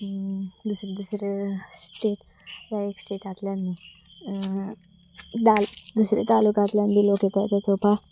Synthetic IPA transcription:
d̪usɾed̪usɾesʈeʈ | jaeksʈeʈat̪ljanːi | d̪ald̪usɾet̪alukat̪ljanbiloʈjet̪at̪ət͡sopa

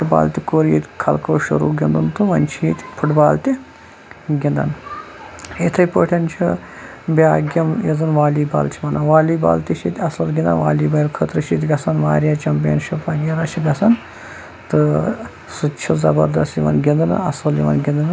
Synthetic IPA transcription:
pʈba̰ːlt̪ʲikoːɾjit̪ʲkʰɐlkoːʃṵɾṵːɡʲind̪ɨnt̪ɨʋɐnt͡ʃʰiːt̪ʲpʰuʈbaːlt̪ʲi | ɡʲind̪ɐ̰n | it̪ʰɐjpəːʈʰɐnt͡ʃʰi | bʲaːɡʲɐmjizɨnʋaːliːbɐ̰ːlt͡ʃʰimɐnɐʋaːliːba̰ːlt̪ʲiʃʰit̪ʲɐsɐlɡʲind̪ɐnʋaːliːbɐjlkʰət̪ɾɨʃit̪ʲɡɐsɐnʋaːɾʲjaːt͡ʃɐmpijɐnʃipɐɡʲɐɾaːt͡ʃʰiɡɐsɐn | t̪ɨ | sɨt͡ʃʰizɐbɐɾd̪ɐst̪jiʋɐ̰nɡʲind̪ɨn̰ɐsɐljiʋɐ̰nɡʲind̪ɐn

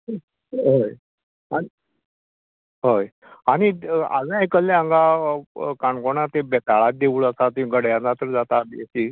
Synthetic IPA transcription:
ɦoj | ai | ɦoj | aɽ̃ia̰d͡zajkəlːeaəŋɡa | kaɳkoɳ̃at̪ebɛt̪aɭat̪̚d̪euɭəsat̪ĩɡəɽjãat̪əɾd͡zat̪abjet͡ɕi

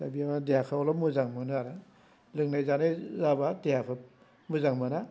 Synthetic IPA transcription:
tabiamadejakʰɯɔlɔmuzaŋmɯnaɾa | lɯŋnajzanajzabatejakʰɯp̚ | muzaŋmɯna

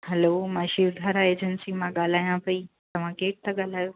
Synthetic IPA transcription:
hɛlomãʃiɾd̪ʱaːɾaeːd͡ʑənsimãɠaːl̤aːjãpɐi | t̪ɐʋ̤ãkeːk̚t̪ɐɠaːl̤aːjo

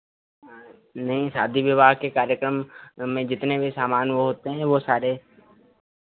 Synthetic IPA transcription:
nɐɦĩsaːd̪ʱiʋɪʋaːɦkekaːɾjəkɾəmːẽd͡ʒɪt̪nebʱisaːmaːnʋoɦoːt̪eɦɛ̃ːʋosaːɾe

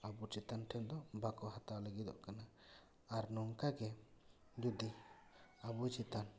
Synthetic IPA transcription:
abut͡ʃit̪anʈʰɛnd̪ɔbakɔɦat̪awləɡid̪ɔ̰ʔkana | aɾnɔŋkaɡɛ | d͡ʒud̪i | abut͡ʃit̪an

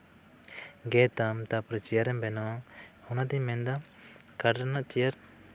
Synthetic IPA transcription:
ɡɛt̪amt̪apɾət͡ʃijaɾɛmbɛnɔhɔnad̪imɛnd̪a | kaɾɾanaʔt͡ʃijaɾ

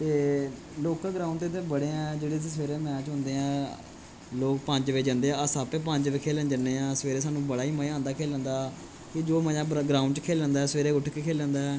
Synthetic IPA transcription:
t̪eː | loːkaːɡɾaːʊ̃ɳɖt̪ɪt̪ʰẽːbəɽẽːɛ̃ːd͡ʒeːɽeːiːsʋeːɾeːmɛ̃ːt͡ʃɦʊ̃nd̪eːãː | loːkpəɲd͡ʒʋeːd͡ʒə̃nd̪eːãːəsaːpeːpəɲd͡ʒʋeːkʰeːlnd͡ʒənːeːãːsəʋeːɾeːsaːnũːbəɽaːiːməãːnd̪aːkʰeːlə̃nd̪aː | kɪd͡ʒoːməjãːɡɾaːʊ̃ɳɖt͡ʃkʰeːlə̃nd̪aːɛːsʋeːɾeːʊʈʰkeːkʰeːlə̃ːnd̪aːɛː

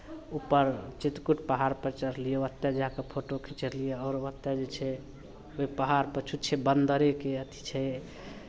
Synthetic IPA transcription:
upːəɾt͡ʃit̪kuʈpəɦaɾpət͡ʃəɾlijoət̪ːɛd͡ʒakepʰoʈokʰĩt͡ʃəɾlijeɔɾʋət̪ːɛd͡ʒet͡ʃʰɛ | oipəɦaɾpət͡ʃʰut̪t͡ʃʰɛbənd̪əɾekeət̪i̥t͡ʃʰɛ

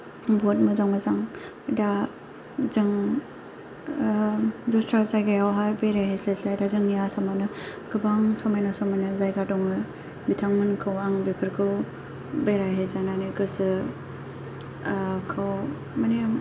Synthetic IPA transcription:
bɔt̚mɯzaŋmazaŋ | da | zɯŋ | dɔstɾazajɡajawɦajbeɾajɦeslezlajdazɯŋjasamanɯɡ̥ɯbaŋsɔmajnasɔmajnazajɡadɔŋɯ | bitʰaŋmɯnkʰɯwaŋbipʰɯɾkʰɯw | bejɾajɦezananiɡɯsɯ | kʰɯw | mani

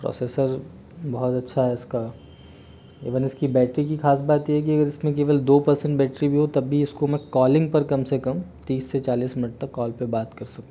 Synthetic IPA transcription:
pɾɔ̰ːseːsəɾ | bɔɦɔt̪ɐtːʃʰaɦɛɪska | ḛːʋənɪskibɛːʈɾik̬ixaːsbaːt̪jeɦɛkiɐɡəɾɪsmẽk̬eːʋəld̪oːpɐɾsə̃ɳʈbɛːʈɾibʱiɦot̪ɐbʱiɪskomɛ̃kɔːlɪ̃ŋɡ̚pɐɾkɐmsekɐmt̪iːsːet͡ʃaːliːsmɪnəʈ̚t̪ɐkːɔːlpebaːt̪kɐɾsɐkũ

